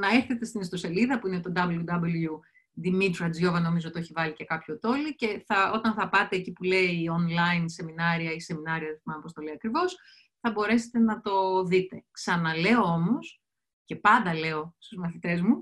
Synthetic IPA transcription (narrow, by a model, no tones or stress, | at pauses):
nɐeɾθe̞t̪e̞st̪inist̪o̞se̞liðɐpuinet̪o̞d̪ɐbljud̪ɐblju | d̪imit̪ɾɐd͡zʝo̞vɐno̞mizot̪io̞çivɐlicekɐpço̞t̪o̞lice̞θɐo̞t̪ɐnθɐpɐt̪e̞ːcipule̞iːonlɐinse̞minɐɾiɐise̞minɐɾiɐðθmɐnɐpo̞st̪o̞liɐkɾivo̞s | θɐbo̞ɾe̞se̥t̪enɐt̪o̞ðit̪e̞ksɐnɐle̞oomo̞s | ce̞pɐnd̪ɐle̞o̞st̪uzmɐθit̪e̞zmu